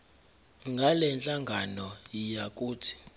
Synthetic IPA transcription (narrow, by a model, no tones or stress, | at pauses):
ŋɡʱalɛnt͡ɬʼaŋɡʱanɔjijak̬ʼuːtʰi̥